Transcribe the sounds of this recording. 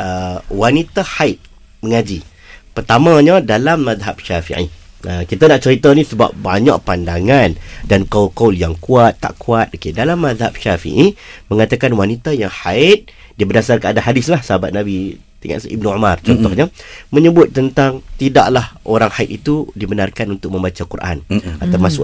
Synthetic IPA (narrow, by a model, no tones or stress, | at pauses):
əwanit̪ahaɪt̪̚ | məŋad͡ʒi | pərt̪amãɲədalamːaðɦap̚ʃafḭʕḭ | əkit̪anaʔt͡ʃəɾit̪ənĩsəba̰p̚ba̰ɲa̰ʔpandaŋandankaulkawljaŋkuat̪ːa̰ʔkʰuat̪̚okedalamːaðhap̚ʃafḭʔiməŋat̪akanwanit̪ajaŋhaɪt̪̚ | diəbərdasarkəadaɦadɪslahsaɦabat̪̚nabi | t̪ḭŋa̰ʔsʔib̚nuumart͡ʃɔnt̪ɔhɲəmə̃ɲəbʊt̪ːənt̪aŋt̪idaʔlahʔoɾaŋhait̪̚it̪udibənarkanunt̪ʊk̚mə̃mbat͡ʃakurʔa̰nat̪awmasʊ̰